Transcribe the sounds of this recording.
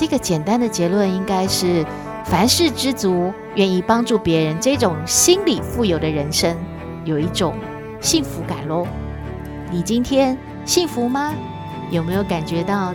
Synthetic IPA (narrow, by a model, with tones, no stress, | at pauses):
ʈ͡ʂɤ˥˩ɡə˩t͡ɕjɛ˨˩nt̪a˦˥nd̪ə˨t͡ɕjɛ˧˥lwə˥˩ni˥ŋka˥ɪʂɻ̩˥˩ | fa˧˥nʂɻ̩˥˩ʈ͡ʂɻ̩˥t͡su˧˥ | ɥɛ˥˧ni˥˩pɑ˥ŋʈ͡ʂu˥˩pjɛ˧˥ɻə˧˦nʈ͡ʂɤ˥˩ʈ͡ʂʊ˨˩ŋɕi˥nli˨˩fu˥˩jo˨˩ʊd̪ə˦ɻə˧˥nʂə˥ŋ | jo˨˩ʊi˥˩ʈ͡ʂʊ˨˩ŋ | ɕi˥˩ŋfu˧˥ka̰˨˩nlwɔ˥˩ | ni˨˩t͡ɕi˥nt̪ʰjɛ˥n | ɕi˥˩ŋfu˧˥mɐ˧ | jo˨˩ʊme˧˥ɪjo˧˩ʊka˨˩nt͡ɕɥɛ˧˥t̪ɑ˥˩ʊ